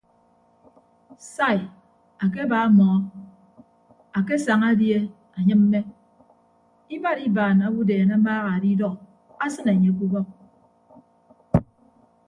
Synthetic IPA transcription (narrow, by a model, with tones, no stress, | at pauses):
sa˦˨j | a˨ke˦ba˨˦mɔ˨˦ | a˨ke˦sa˨ŋa˦dje˦ | a˨ɲɨ˦m̚m̩ː˦e˦ | i˦ba˦ɾi˦baː˨na˨bu˦deː˨na˦m̩˦baː˦ɣa˨a˨di˦dɔ˦k | a˦sɨ˦ne˨ɲe˨˦k̬u˦bɔ˦k̚